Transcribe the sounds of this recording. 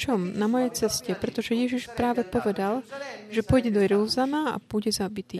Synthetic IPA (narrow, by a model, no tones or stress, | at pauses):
t͡ʃɔmnamɔjɛjt͡sɛscɛpɾɛt̪ɔʒɛjɛʒiʃpɾaːʋɛpɔʋɛd̪alʒɛpɔjɟɛd̪ɔɾluzanaa̰buɟɛzabit̪iː